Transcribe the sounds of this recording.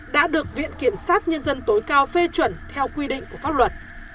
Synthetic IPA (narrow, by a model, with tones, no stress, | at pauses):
ɗa̰ː˧˥ɗɨ˨˩ək̚vḭ˧˨ənki˧˩əmsaː˦˥t̚ɲə˧nzə˧nt̪o˨˦jkaː˧wfe˧t͡ɕwə˧˩nt̪ʰɛ˧wkwi˧ɗḭ̈˧˨ŋ̟ku˧˩əfaː˦˥p̚lwə˨˩t̚